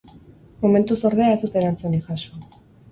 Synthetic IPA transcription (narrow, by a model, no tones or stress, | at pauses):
mome̞nt̪uso̞ɾðeae̞st̪ut̪eɾant͡suniʝaso